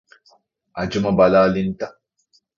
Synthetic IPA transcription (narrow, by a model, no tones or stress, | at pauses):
ad͡ʒumɐbalaːlinta